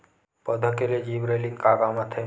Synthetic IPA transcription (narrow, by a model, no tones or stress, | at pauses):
pəd̪ʱəkeled͡ʒibɾejlikaɡamãt̪ʰə